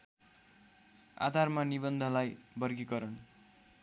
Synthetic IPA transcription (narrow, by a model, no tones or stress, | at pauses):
a̰d̪ʱarmanibʌnd̪ʱʌlajbʌrɡikʌɾʌn